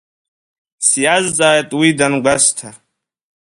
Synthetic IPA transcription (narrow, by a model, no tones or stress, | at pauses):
sijazd͡zaet̪wid̪ɐnɡɐst̪ʰa